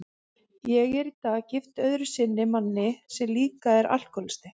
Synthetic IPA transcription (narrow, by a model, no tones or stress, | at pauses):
jɛɣɛɾit̪acɪft̪œðɾʏsɪnːɪmanːɪsɛmliːkaɛɾʔa̰l̥kʰɔlɪ̥st̪ɪ